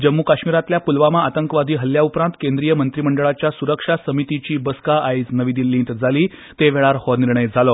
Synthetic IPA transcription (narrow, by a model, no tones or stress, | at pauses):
d͡ʑəmːukaɕmiɾat̪ljapulʋamaat̪əŋkʋad̪ʱiːɦəljaupɾãnt̪kẽnd̪ɾijəmənt̪ɾiməɳɖəɭat͡ɕjasuɾəkʂasəmit̪it͡ɕiːbəskaaisnəʋid̪ilːĩnt̪d͡zʱaliː | t̪eʋɛɭaɾhɔniɾɳəjd͡zʱalɔ